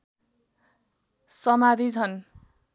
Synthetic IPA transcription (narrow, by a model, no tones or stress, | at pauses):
sʌmad̪ʱit͡sʰʌn